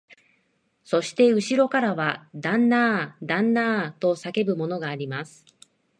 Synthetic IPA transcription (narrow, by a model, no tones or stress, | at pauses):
so̞ɕi̥t̪e̞ɯ̟ɕiɾo̞kaɾaβad̪ãnːaːd̪ãnːaːt̪o̞sake̞bɯ̟mo̞no̞ɡaːɾʲimasɨ̥